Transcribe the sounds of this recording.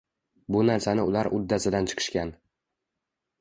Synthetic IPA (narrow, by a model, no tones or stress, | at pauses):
bʊnaɾsanɪʊlaɾʔʊd̪ːasɪd̪ant͡ʃʰɨ̥qʰɨ̥ʃkʲan